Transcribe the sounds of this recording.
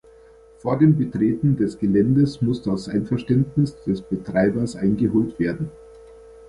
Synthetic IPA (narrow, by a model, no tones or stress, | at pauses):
foːɐdeːmbətʁ̥eːtn̩dɛsɡ̥əlɛndəsmʊsd̥asʔaɪnfɛɐʃtɛntnɪsd̥ɛsb̥ətʁ̥aɪbɐsʔaɪnɡəɦoːltv̥eːɐdn̩